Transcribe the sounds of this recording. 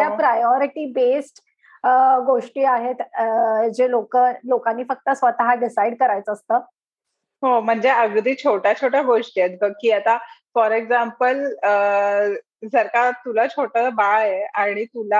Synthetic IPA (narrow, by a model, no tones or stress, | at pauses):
japɾajɔɾiʈiːbesʈ | ɡoʂʈiːaɦet̪d͡ʑelokəlokãnːiːfək̚t̪əsʋət̪aɦaɖisaiɖkəɾajt͡səəst̪əː | ɦom̤əɳd͡zeəɡd̪iːt͡ɕʰoʈat͡ɕʰoʈjaɡoʂʈijet̪̚bəkːiːat̪afɔɾeɡd͡zampələ | d͡zəɾkat̪ulat͡ɕʰoʈəbaɭjeaɽ̃it̪ula